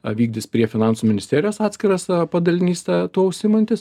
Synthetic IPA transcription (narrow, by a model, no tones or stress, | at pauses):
ʋʲiːɡ̚d̪ʲɪspʲɾʲiɛfʲɪnɑˑnsumʲɪnʲɪsʲt̪ʲeːɾʲɪjoːsɑːt̪sʲkʲɪɾɐspɐd̪ɐlʲɪnʲiːsʲt̪ʲɛt̪uːʊʃʲsʲɪmɐnt̪ʲɪs